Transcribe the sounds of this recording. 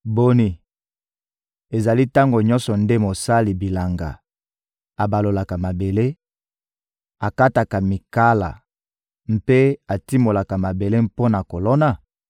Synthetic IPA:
bo˦ni˨ | e˨za˨li˦ta˦ŋɡo˨ɲɔ̃˦nsɔ˨nde˦mo˨sa˦li˨bi˨la˨ŋɡa̰˨ | a˨ba˨lo˨la˨ka˨ma˨be˨le˦ | a˨ka˦ta˨ka˨mi˨ka˦la̰˨ | m̩˦pe˦a˨ti˦mo˨la˨ka˨ma˨be˨le˦mpo˦na˨ko˨lo˦na˨

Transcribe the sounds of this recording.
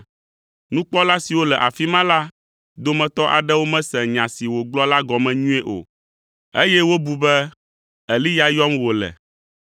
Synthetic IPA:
nũ˦k͡pɔ˦la˦si˨wo˦lɛ˨ʔa˨fi˦mã˦la˦ | d̪o˦mɛ̃˨t̪ɔ˦ʔa̰˨ɖɛ˦wo˦mɛ̃˦sɛ˨ɲã˨si˨wo˨ɡ͡blɔ˦la˦ɡɔ˨mɛ̃˨ɲũ˦ɛ˦ʔo̰˨ | e˦jɛ˦wo˦bu˨bɛ˦ | ɛ˨li˦ja˨jɔ˦mwo˨lɛ̰˨

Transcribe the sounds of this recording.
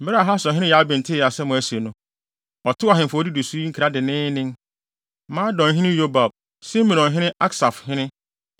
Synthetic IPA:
m̩˦mɪ˦ɾa˨ɦa˦sɔ̃˨ɦɪ̃˦ɪ̃˦ja˨˦bɪ̃˨n̩˨tʰɪ˦˨a˨sɛ˦mʊ̃˨æ˦si˨e˨nʊ̃˦ | ɔ˨tʰʊ˦a˨ɦɪ̃˨fɔ˦di˦du˨su˦ŋ̩˦kʰi˨ɾa˦dɪ˨nɪ̃ː˦nɪ̃˦n | mã˦dɔ̃˨n˨ɦɪ̃˦nɪ̃˦jo˦ba˨b̚ | sĩ˦mɪ̃˨nɔ̃˨ɦɪ̃˦nɪ̃˦ʔa˦ksa˨fhɪ̃˦nɪ̃˦

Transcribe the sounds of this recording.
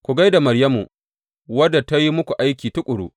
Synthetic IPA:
kʷu˨ɡa˦jda˨mɐ˨ɾjɐ˦mu˨ | wɐ˦da˨ta˦ji˦mʊ˦kʷu˨ʔa˦jkʲiː˨tʊ˦kʷʼʊ˨ɽṵ˦

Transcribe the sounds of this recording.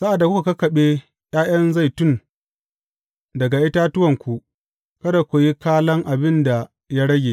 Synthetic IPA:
sa˦ʔa˨dːa˨ku˦ka˨kɐ˦kɐ˨ɓeː˦ | j̰aː˦j̰ɐ˦nza˦˨jtʊ˦˨n | dɐ˨ɡa˨ʔɪ˦taː˦tʊ˦wɐ˨ŋkʷu˨ | kɐ˦da˨kʷo˨ji˦kaː˦lɐ˦ŋʔa˨bɪ˦nda˨ | ja˦ɽɐ˦ɡʲeː˨

